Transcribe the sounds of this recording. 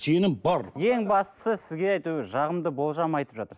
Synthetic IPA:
se̞nɪmbɑɾje̞ŋbɑst̪ə̥səsɪzɡʲe̞ɑjt̪uɪʒɑʁəmd̪əbo̞lˠʒɑmɑjt̪əpʒɑt̪əɾs

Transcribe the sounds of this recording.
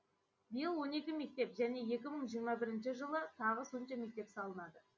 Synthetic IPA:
bijəlˠwo̞ne̞kʲɪme̞k̚t̪e̞pʒæne̞je̞kʲɪməɴʒijəɾmɑbɪɾɪnʃɪʒəlˠət̪ʰɑʁəso̞nʃɑme̞k̚t̪e̞psɑlˠənɑd̪ə

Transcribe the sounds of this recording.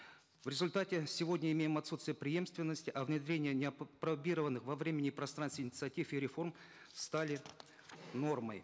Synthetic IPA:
vɾʲɪzʊlʲt̪atʲɪsʲɪvo̞dʲnʲəɪmʲejɪmɐt̪sut̪st̪vʲɪjəpɾʲɪje̞mst̪vʲɪnːəsʲtʲɪʔɐvnʲɪd̪ɾʲenʲɪjənʲɪɐpɾɐbʲiɾəvənːɨxvɐvɾʲemʲɪnʲɪpɾɐst̪ɾanst̪ʲɪnʲɪt̪sɨɐtʲifiɾʲɪfo̞rm | st̪alʲɪ | no̞rməj

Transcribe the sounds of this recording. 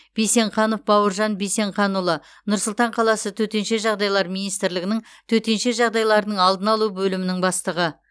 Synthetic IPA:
b̥ijse̞ɴχɑno̞fbɑwəɾʒɑnbijse̞ɴχɑnulˠə | nʊɾsʊlˠt̪ɑɴqʰɑlˠɑsət̪ʰɵt̪e̞nʃe̞ʒɑʁd̪ɑjlˠɑɾmijnijst̪ɪɾlɪɡʲɪnɪŋ | t̪ʰɵt̪e̞nʃe̞ʒɑʁd̪ɑjlˠɑɾənəɴɑlˠd̪ənɑlˠubɵlɪmɪnɪŋbɑst̪əʁə

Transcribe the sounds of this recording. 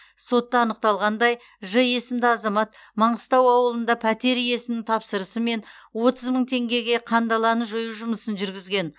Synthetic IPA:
so̞t̪ːɑɑnəq̚t̪ɑlˠʁɑnd̪ɑj | ʒəje̞sɪmd̪ɪɑzɑmɑt̪̚ | mɑɴəst̪ɑwɑwəlˠənd̪ɑpʰæt̪e̞ɾje̞sɪmnɪŋt̪ʰɑpsəɾəsəme̞nwo̞t̪əzməɴt̪ʰe̞ŋɡʲe̞ɡʲe̞qʰɑnd̪ɑlˠɑnəʒojuʒʊməsənʒʏɾɡʲɪzɡʲe̞n

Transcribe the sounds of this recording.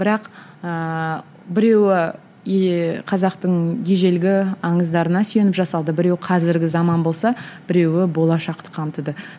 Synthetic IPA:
bɪɾɑq | ə | bɪɾe̞wɪ | qʰɑzɑqt̪əɴje̞ʒe̞lɡʲɪɑɴəzd̪ɑɾənɑsʏje̞nɪpʒɑsɑlˠd̪əbɪɾe̞wɪqʰɑzɪɾɡʲɪzɑmɑnbo̞lˠsɑb̥ɪɾe̞wɪbo̞lˠɑʃɑqt̪ə̥qʰɑmt̪əd̪ə

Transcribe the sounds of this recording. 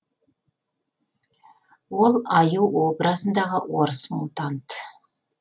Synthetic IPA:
wo̞lˠɑjuwo̞bɾazənd̪ɑʁəwo̞ɾəsmulˠt̪ɑnt̪ə

